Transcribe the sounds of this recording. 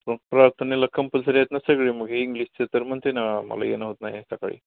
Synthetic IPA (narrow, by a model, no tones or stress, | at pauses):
pəɳpɾaɾt̪ʰəneləkʰːəmpəlsəɾjet̪nasəɡɭeməɡʱeiŋɡliːst͡sət̪əɾmənt̪enamə̰la̰jḛnaɦot̪najet̪jaka̰ɭḭː